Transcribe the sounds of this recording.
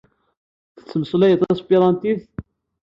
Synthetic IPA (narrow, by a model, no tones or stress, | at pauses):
θə̥t͡sːəməsˤlæjət̪ˤæspiɾˤɑnt̪iθ